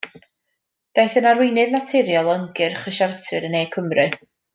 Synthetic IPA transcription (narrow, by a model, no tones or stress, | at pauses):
d̥ajθənarwɪnɨðnatʰɪɾjɔlˠəŋɡɨrχəʃartʰɨɾəneːkʰəmrɨ